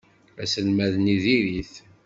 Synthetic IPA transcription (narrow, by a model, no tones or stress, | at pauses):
æsəlmæðniðiɾiθ